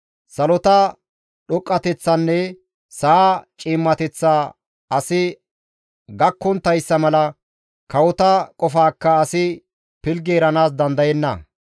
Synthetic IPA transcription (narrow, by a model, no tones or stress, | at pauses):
sɐlɔt̪ɐ | ɗɔkʼːɐt̪ɛt͡sːɐnːɛ | sɐat͡ʃʼiːmːɐt̪ɛt͡sːaː | ɐsɪ | ɡɐkːɔnt̪ɐjsːɐmɐlɐ | kɐwɔt̪ɐkʼɔfaːkːɐːsɪ | pɪlɡeːɾɐnaːs̬d̪ɐnd̪ɐjɛnːɐ̰